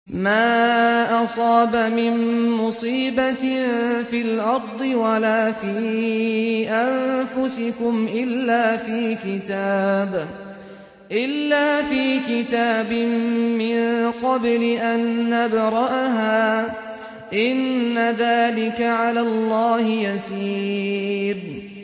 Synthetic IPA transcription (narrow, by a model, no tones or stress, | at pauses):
maːʔɑsˤɑːbamɪnmʊsiːbat̪filʔɑɾˤd̪ˤɨwalaːfiː | ʔanfʊsɪkʊmʔɪlːaːfiːkɪt̪aːb | ʔɪlːaːfiːkɪt̪aːbɪmmɪnqɑblɪʔanːabɾˤɑʔaɦaː | ʔɪnːaðaːlɪkaʕalaːlˤːɑːhɪjasiː | ɾ